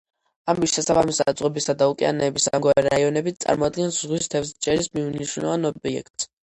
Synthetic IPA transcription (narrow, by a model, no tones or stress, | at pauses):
amisʃɛsabamisasʼʁɛbisad̪aukʼia̰nɛːbisaŋɡwaɾɛɾaiɔnɛbit̪sʼa̰ɾmɔad̪̚ɡɛnszʁwist̪ʰɛfst͡ʃʼɛɾismiuniʃɾunɛ̰vanɔbiɛ̰kt̪s